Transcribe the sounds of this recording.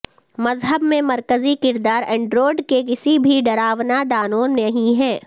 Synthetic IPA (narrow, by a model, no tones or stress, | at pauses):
mɐzɦəbmẽmɐɾkəzikɪɾd̪aːɾɛ̃ːɳɖɾoːɖkek̬ɪsibʱiɖɐɾaːʋnad̪aːnoːnmɐɦĩɦɛː